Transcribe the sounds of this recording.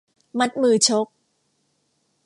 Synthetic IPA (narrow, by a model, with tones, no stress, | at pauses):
ma˦˥t̪̚mɯː˨˩t͡ɕʰo˦˥k̚